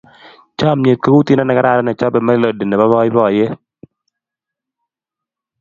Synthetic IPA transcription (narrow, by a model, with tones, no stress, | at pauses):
t͡ʃa˦˨mɲe˨t̪̚ka˦wu˦t̪i˦na˦nɛ˨ka˦ɾa˨ɾa˦nɛ˨t͡ʃɔ˦bɛ˨mɛ˦lo˨de˨ne˨ba˦bɔ˦ɪ˦bɔ˦˨je˦